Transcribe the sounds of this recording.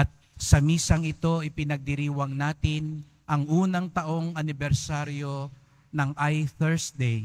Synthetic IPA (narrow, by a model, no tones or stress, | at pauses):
ʔɐt̪̚ | sɐmiːsɐŋɪt̪o̞ɪpɪnɐɡ̚d̪ɪɾiːwɐŋnaːt̪ɪn | ʔɐŋʔuːnɐŋt̪ɐʔo̞ŋɐnɪbɛɾsaɾjo̞ | nɐŋʔajθɛɹsd̪ɛj